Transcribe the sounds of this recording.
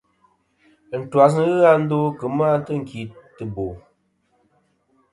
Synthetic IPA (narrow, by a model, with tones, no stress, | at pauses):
n̩˨twa˨s̬nɨ˦ɣɨ˦a˦n̩˦do˦kɨ˨m˦a˦n˦tɨ˦ŋ̩˨ki˨tɨ˨bo˨